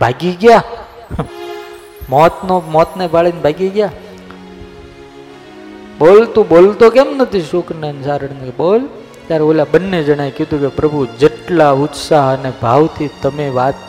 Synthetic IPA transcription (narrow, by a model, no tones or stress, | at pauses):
bʱaːɡiɡja | mɔt̪nomɔt̪nebaɭenbʱaɡiɡja | ɓoːlt̪ũɓolt̪okɛmnət̪ʰiʃukʰnənsaɾəɳnkeɓol | t̪jaɾeoːlaɓənːed͡ʒəɽ̃aekjid̪ũkepɾəbʱud͡ʒəʈlaʊt̪saɦənebʱaʋt̪ʰit̪əmeʋat̪